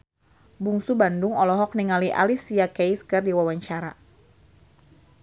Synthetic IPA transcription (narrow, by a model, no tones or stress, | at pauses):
buŋsubandʊŋɔlɔɦɔk̚niŋaliʔa̰lisiakɛjskɨrdiwawaɲt͡ʃaɾa